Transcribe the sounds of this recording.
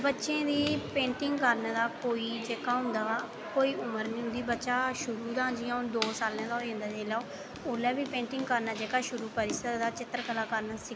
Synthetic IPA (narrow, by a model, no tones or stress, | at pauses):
bətːʃẽːd̪iːpẽːɳʈɪŋɡkəɾnad̪aːkoːiːd͡ʒeːkaːɦʊ̃nd̪aː | koːiːʊməɾnĩːɦʊ̃nd̪iːbətːʃaːʃʊɾuːd̪aːd͡ʒiãd̪oːsaːlãːd̪aoiõnd̪aːd͡ʒeːlaoː | ʊlɛːbiːpẽːɳʈɪ̃ŋɡkəɾnaːd͡ʒeːkaːʃʊɾuːpəɾiːsəkd̪aːt͡ʃɪt̪ːəɾkəlaːkəɾnaːsɪ